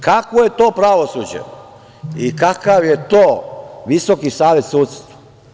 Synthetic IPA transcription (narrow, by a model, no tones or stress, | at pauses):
kakʋojet̪oːpɾaʋosud͡ʑḛ | ikakaʋjet̪oːʋisokisaːʋet̪suːt̪st̪ʋa